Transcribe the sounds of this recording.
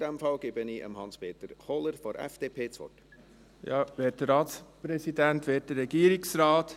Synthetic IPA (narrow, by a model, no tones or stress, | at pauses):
d̥ɛmfɑlɡebəniːʔə̰mhɑnspeːt̪əɾχɔləɾfɔɾʔɛ̰fd̥eːpʰeːt͡sʋɔ̰t | jɑʋɛːt̚dəɾɑːtspɾɛsidænt̪ʋɛːt̚dəɾːɛɡiːɾɪksɾaːt̪